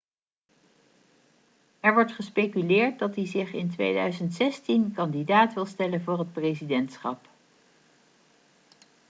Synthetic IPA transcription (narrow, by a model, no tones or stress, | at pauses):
ɛɹʋɔɹtχəspejkylɪːɹt̚dɑtizɪχɪntʋḛjdœ̰ɥzəntsɛstinkɑndidaːtʋɪlˠstɛlənvʊːɹɦət̚prezidɛntsχɑ̰p